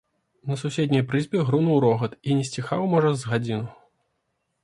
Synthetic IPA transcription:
nɐsusʲed̪ʲnʲɐjpɾɨzʲbʲɛɣɾunuwɾɔɣɐt̪inʲɛsʲt͡sʲixawmɔʐɐzɣad͡zʲinu

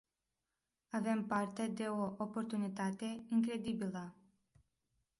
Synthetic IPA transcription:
ave̞mpart̪e̞d̪e̞oʔopo̞rt̪unit̪at̪e̞iŋkɾe̞d̪ibilə

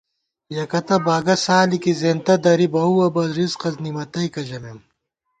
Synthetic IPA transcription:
jɐkɐt̪ɐbaːɡɐsaːlikizeːnt̪ɐd̪ɐɾibɐuwɐbɐzɾizqɐznimɐt̪ɐjkɐʑɐmem

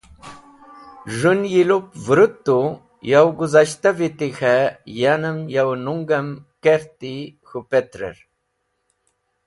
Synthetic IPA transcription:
ʐunjilupvɾut̪ːu | jawɡuzaɕt̪avit̪ixajanəmjawnuŋɡɐmkeɾt̪ixupet̪ɾḛɾ

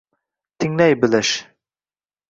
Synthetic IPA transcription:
t̪ʰɪŋlɛjbɪlɪʃ

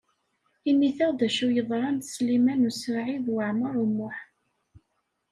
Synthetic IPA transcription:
inːiθæðæʃujəðˤɾˤɑnslimænusʕiðwəʕməɾˤumʊħ

